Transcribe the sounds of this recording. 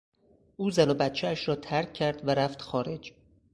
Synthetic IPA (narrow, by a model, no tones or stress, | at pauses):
ʔuːzænobæt̪t͡ʃʰeæʃɾɒːt̪ʰæɾcʰːæɾd̪væɾæft̪xɒːɾe̞d͡ʒ